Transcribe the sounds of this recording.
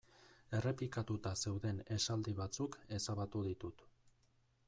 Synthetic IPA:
e̞re̞plikat̪ut̪ase̞wðe̞ne̞sald̪iβ̞at͡suke̞saβat̪uðit̪ut̪

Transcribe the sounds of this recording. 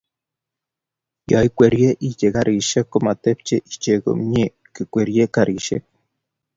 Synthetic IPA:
jaikʷeɾjeʔit͡ʃeɡaɾʔiʃekːomat̪ept͡ʃeʔit͡ʃeɡo̰mɲe | kɨkʷeɾjekaɾiʃḛk̚

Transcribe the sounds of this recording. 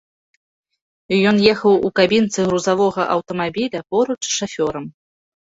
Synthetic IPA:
jɔnjɛxɐwukabʲint̪sɨɣɾuzavɔɣɐʔɐwt̪ɐmabʲilʲɐpɔɾut͡ʂʂafʲɔɾɐm

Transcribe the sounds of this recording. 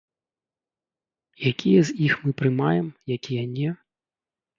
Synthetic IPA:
jakʲʰijɛzʲixmɨpɾɨmajɛmjakʲijɐnʲɛ

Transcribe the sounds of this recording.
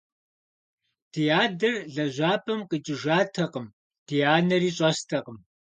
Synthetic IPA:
tʰijaːdɨrɮɐʑʷaːpʰʼɐmqʼət͡ʃʼɪʒaːtʰɐqəm | tʰijaːnɐɾiːɕʼɐstʰɐqəm

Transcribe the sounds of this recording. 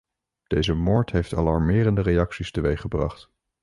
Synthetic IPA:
d̥ejzəmʊːɹtɦejftɑ̰lɑɹmɪːrəndərejɑksistəʋejχəbrɑ̰χt

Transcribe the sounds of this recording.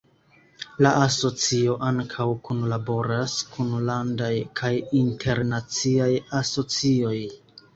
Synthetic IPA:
laʔaso̞t͡sio̞ʔaŋkʰawkunlabo̞ɾaskʰunlandajkʰajintʰe̞ɾnat͡siajaso̞t͡sio̞j

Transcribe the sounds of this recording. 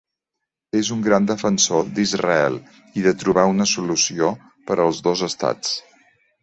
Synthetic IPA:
ezuŋɡɾand̪əfənsod̪izrə̰ɛlˠ | iðət̪ɾuβaunəsulusio | pəɾʔəlˠzðozəst̪a̰t͡s

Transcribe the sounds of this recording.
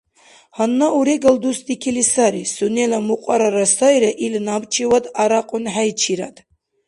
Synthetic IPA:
hanːauɾeɡald̪usd̪ikʰilisaɾisunelamuqʷʼaɾaɾasajɾaʔilnabt͡ʃʰiwad̪aɾaqʼʊnħajt͡ʃʰiɾa̰d̪

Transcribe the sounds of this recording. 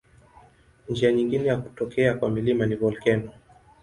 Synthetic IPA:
nd͡ʒiaɲiŋɡinɛjaku̥tɔkɛakwamilimanivɔlkɛnɔ

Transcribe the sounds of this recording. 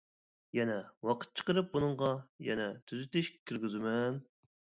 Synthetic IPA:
jɛnɛwɑqʰə̥t̪̚t͡ʃʰə̥qəɾɨp̚bunɨɴʁɑjɛ̰nɛt̪ʰyzyt̪ɪʃʲkʲʰiɾɡʲyzɪmɛn

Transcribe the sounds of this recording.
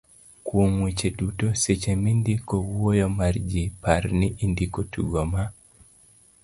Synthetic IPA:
kwoŋwet͡ʃedutoset͡ʃemindikowojɔmard͡ʒipaɾniʔindikotuɡoma

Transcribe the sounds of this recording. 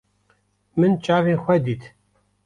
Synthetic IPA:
mɨnt͡ʃʼaːvenxʷɛd̪it̪

